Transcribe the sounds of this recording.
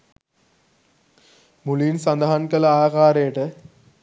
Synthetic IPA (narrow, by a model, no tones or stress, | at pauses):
mulinsɐnd̪ɐɦɐnkɐlaːkaːɾeːʈɐ